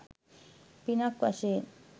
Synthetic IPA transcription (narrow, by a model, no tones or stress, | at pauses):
pinakʷa̰ʃe